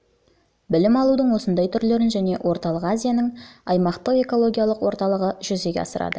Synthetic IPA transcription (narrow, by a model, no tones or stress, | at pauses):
bɪlɪmɑlˠud̪əɴwo̞sənd̪ɑjt̪ʰʏɾle̞ɾɪnʒæne̞wʔo̞ɾt̪ɑlˠəqazʲijanəɴɑjmɑqt̪əqe̞ko̞lˠo̞ɡʲijalˠəqwo̞ɾt̪ɑlˠəʁəʒ̥ʏze̞ɡʲḛɑ̰səɾɑ̰d̪ə